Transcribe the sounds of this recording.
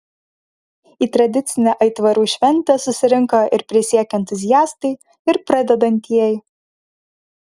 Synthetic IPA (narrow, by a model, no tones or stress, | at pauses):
iːt̪ɾɐd̪ʲɪt̪sʲɪnʲɛʔɐɪt̪ʋɐɾuːʃʲʋʲɛnʲˑt̪ʲɛsʊsʲɪɾʲɪŋkɐɪɾpʲɾʲɪsʲiɛkʲɛnt̪ʊzʲɪjæːst̪ɐɪ | ɪɾpɾɐd̪ʲɛd̪ɐnʲt̪ʲiɛj